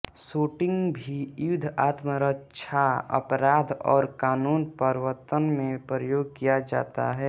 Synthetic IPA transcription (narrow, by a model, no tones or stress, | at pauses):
suːʈɪ̃ŋɡbʱiʊd̪ʱaːt̪məɾətːt͡ʃʰaə̰pɾaːd̪ʱɔ̰ːɾkaːnuːnpəɾwət̪ənmẽpɾəjoːɡ̚kijad͡ʒa̰ːt̪a̰ɦɛː